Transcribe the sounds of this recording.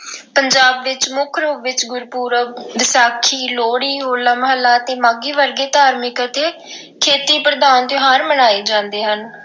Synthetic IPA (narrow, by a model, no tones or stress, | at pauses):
pəɲd͡ʒaːbʋɪt͡ʃmʊkʰɾoːʋɪt͡ʃɡʊɾpuːɾəd̪ɪsaːkʰːiːloːɽiːɦoːlaːməɦəlːaːət̪eːmaːɡiːʋəɾɡeːt̪aːɾmɪkət̪eː | kʰeːt̪iːpɾəd̪aːnt̪jɦaːɾmənaːeːd͡ʒãːnd̪eːɦən